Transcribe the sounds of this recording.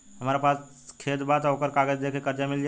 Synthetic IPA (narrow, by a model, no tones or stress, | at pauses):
ɦəmɾapas | kʰet̪bat̪ɔokəɾkaɡəd͡ʒd̪ekʰekəɾd͡ʒamild͡ʒa